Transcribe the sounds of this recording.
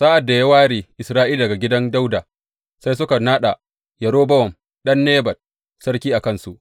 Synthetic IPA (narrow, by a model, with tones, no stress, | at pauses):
sa˦ʔa˨dːa˨ja˦waː˦ɽiː˨ʔɪ˨sɾaː˦ʔiː˦ldɐ˨ɡa˨ɡʲɪ˦dɐ˦nda˦wdaː˨ | sa˦js̬ʊ˦ka˨naː˦ɗa˨ | jɐ˨ɽoː˦bɐ˦wɔ˨m | ɗɐ˦nːeː˦bɐ˨d̚ | sɐ˦ɽkʲiː˦ʔa˨kɐ˦nsu˨ʔ